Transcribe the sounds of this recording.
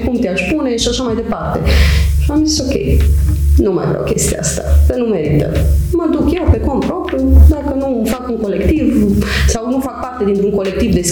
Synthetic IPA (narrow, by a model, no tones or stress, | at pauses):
kumt̪eaʃpune̞ʃiaʃamajd̪e̞part̪e̞̰ʃiamziso̞kʲḛjnuma̰ja̰vɾa̰wkʲe̞̰st̪ia̰a̰st̪a̰d̪ənume̞ɾit̪ə̰məd̪ukje̞wpe̞kompɾo̞pɾjud̪akənumfakuŋko̞le̞kt̪ivsawnufak̚part̪e̞d̪int̪ɾuŋko̞le̞k̚t̪ivd̪e̞s